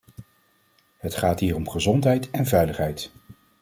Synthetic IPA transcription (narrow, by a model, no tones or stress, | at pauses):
ɦətχaːtɦiːɹɔmχəzɔntɦɛjtɛnvɛjləχɦɛjt